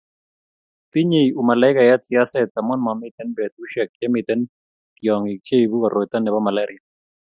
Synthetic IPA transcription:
ti˦ɲe˨ju˨ma˨la˨˦ɪ˦ka˨ja˦t͡sɪ˨a˦sɛ˦t̪a˨mɔ˦nma˨mɪ˦t̪ɛ˦nbɛ˨t̪̚u˦ʃɛ˨k̚ɛ˦mɪ˨t̪ɛ˦n | kjɔ˨ŋi˨kʰe˦i˨bu˦ka˨ɾʔo˨jt̪a˦nɛ˨ba˦ma˨la˦ɾɪ˨a˨

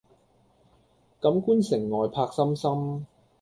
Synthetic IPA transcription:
kɐ˨˥mkuː˥nsɪ˨˩ŋːɔː˨jpʰaː˧k̚sɐ˥msɐ˥m

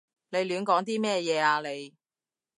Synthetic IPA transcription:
le˨˧jlyː˨˧nkɔː˨˥ŋt̪̬iː˥mɛː˥˩jɛː˨˧aː˧le˨˧j

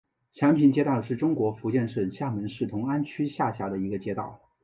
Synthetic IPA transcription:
t͡ɕʰjɑ˧˥ŋpʰi˧˥nt͡ɕjɛ˥t̪ɑ˥˩ʊʂɻ̩˥˩ʈ͡ʂʊ˥ŋkwɔ˧˥fu˧˥t͡ɕjɛ˥˧nʂə˥˩nɕja˥˩mə˧˥nʂɻ̩˥˩t̪ʰʊ˧˥ŋa˥nt͡ɕʰy˥ɕja˥˩ɕja˧˥d̪ə˧˨i˧˥ɡə˧t͡ɕjɛ˥t̪ɑ˥˩ʊ

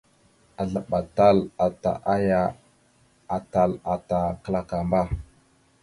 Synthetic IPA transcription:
a˨ɮa˨ɓa˨ta˦la˨ta̰˨ʔa˦ja˦ | a˨ta˨la˨ta˨kə˦la˦ka˨mba˦

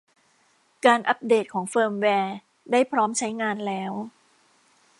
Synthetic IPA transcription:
kaː˧nʔa˦˥p̚deː˨˩t̪̚kʰɔː˩˦ŋfɤː˧mwɛː˧ | daː˥˩jpʰɾɔː˦˥mt͡ɕʰa˦˥jŋaː˧nlɛː˦˥w

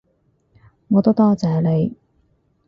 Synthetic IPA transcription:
ŋɔː˨˧t̪o˥t̪ɔː˥t͡sɛː˨˧le˨˧j

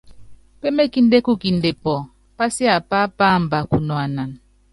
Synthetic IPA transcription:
pe˦me˦ki˦n˦de˦ku˦˨ki˨nde˨pɔ˨ | pa˦si˦a˨pa˦pa˦m˨ba˨ku˨nwa˨na˨n

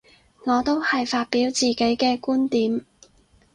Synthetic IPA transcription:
ŋɔː˨˧t̪o˥whɐ˨jfaː˧t̚piː˨˥wt͡siː˨˩ke˨˥jkɛː˧kuː˥nt̪iː˨˥m

